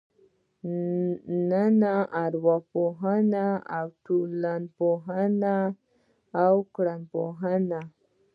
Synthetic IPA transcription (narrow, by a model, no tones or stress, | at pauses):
nanaaɾwapoɦanaawtulanpoɦana | awkɾanpoɦana